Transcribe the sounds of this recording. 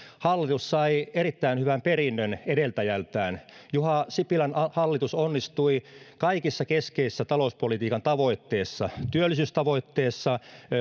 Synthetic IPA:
hɑlːit̪ussɑierit̪ːæinhyʋæmperinːønedelt̪æjælt̪æːnjuhɑsipilænhɑlːit̪usonːist̪uikɑikisːɑkeskeisːæt̪ɑlouspolit̪iːkɑnt̪ɑʋoit̪ːeːsːɑt̪yølːˑisyst̪ɑʋoit̪ːeːsːɑ

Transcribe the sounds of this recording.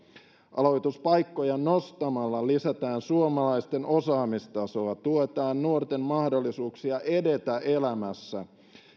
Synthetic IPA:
ʔɑ̰lo̞jt̪uspɑjkːo̞jɑno̞st̪ɑmɑlːɑlisæt̪æːnsuomɑlɑist̪enʔo̞sɑːmist̪ɑso̞ɑt̪uot̪ɑːnːuort̪e̞mmɑhdolːisuːksiɑʔe̞de̞t̪æʔe̞læmæsːæ

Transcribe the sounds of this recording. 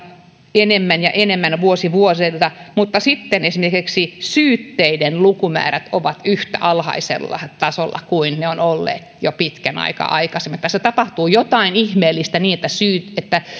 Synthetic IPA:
enemːænjɑʔenemːænʋuosiʋuoselt̪ɑmut̪ːɑsit̪ːenesimerkiksisyːt̪ːeidenlukumæ̰ːræt̪oʋɑt̪yht̪æɑlhɑ̰isḛlːɑ̰t̪ɑsolːɑ̰kuinneonolːḛːt̪jopit̪kænɑ̰ikɑ̰ʔɑ̰ikɑsemĕt̪ːæset̪ɑpɑht̪uːjot̪ɑinihmeːlːist̪æniːet̪ːæsyːt̪et̪ːæ

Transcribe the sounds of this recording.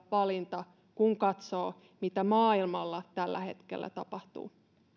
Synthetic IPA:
ʋɑlint̪ɑ | kuŋkɑt̪so̞ː | mit̪æmɑːilmɑlːɑt̪ælːæ̰he̞t̪kḛlːæ̰t̪ɑpɑht̪ṵː

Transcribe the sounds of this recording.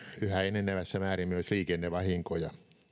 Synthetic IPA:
yhæenːenːæʋæsːæmæːrimmyosliːkenːeʋɑhiŋkojɑ̰

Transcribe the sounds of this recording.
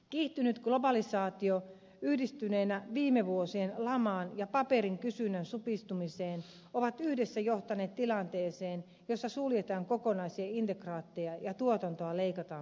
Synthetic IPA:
kiːht̪ynyt̪ɡ̥lo̞bɑlisɑːt̪io | yhdist̪yneːnæʋiːmeʋuosienlɑmɑːnjɑpɑpeɾiŋkysynønsupist̪umiseːn | oʋɑt̪yhdesːæjoht̪ɑneːt̪t̪ilɑnt̪eːseːn | josːɑsuljet̪ɑːŋkokonɑisiɑint̪ekrɑːt̪ːejɑjɑt̪uot̪ɑnt̪oɑleikɑt̪ɑːn

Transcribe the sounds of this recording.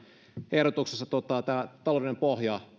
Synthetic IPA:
ehɾot̪uksesːɑt̪uot̪ɑt̪æːt̪ɑloˑʋlinempohjɑ

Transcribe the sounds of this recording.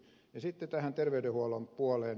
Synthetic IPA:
jɑsit̪ːet̪æhænt̪erʋeydehuɑlompuɑleːn

